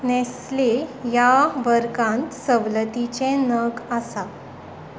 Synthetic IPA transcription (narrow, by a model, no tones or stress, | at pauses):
nɛslejaʋəɾkãnt̪səʋlət̪it͡ɕẽnəɡasa